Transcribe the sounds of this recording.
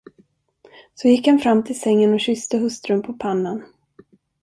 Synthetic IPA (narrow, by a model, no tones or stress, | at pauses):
sɔjɪkhanfɾamːt̪ʰɪlsɛŋːənɔɕʏst̪əɦɵst̪ɾɵnpʰɔpʰanːən